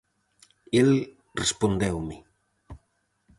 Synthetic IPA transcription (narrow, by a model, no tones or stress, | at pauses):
el | respond̪ewmɪ